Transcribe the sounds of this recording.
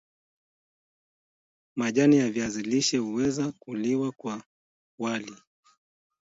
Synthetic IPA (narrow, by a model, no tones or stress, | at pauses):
maʄanijaviaziliʃɛhuwɛzakuliwakwa | wali